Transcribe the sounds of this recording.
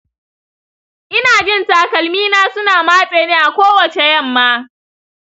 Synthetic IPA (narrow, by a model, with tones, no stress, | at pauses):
ʔɪ˦naː˨d͡ʒɪ˦˨nta˨kɐ˨lmiː˦naː˦sʊ˦naː˨maː˦sʼeː˨neː˦ʔa˨kʷoː˦wɐ˨t͡ʃe˨jɐ˦˨mːaː˦